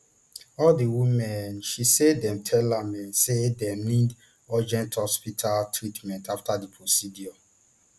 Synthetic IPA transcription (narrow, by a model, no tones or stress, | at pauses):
ɔldiwimɛ̃nʃisedɛ̃mtʰɛlamɛ̃nsedɛnid | ɔd͡ʒɛ̃nthɔspitʰaltʰɹitmɛ̃ntaftadipʰɹosidiɔ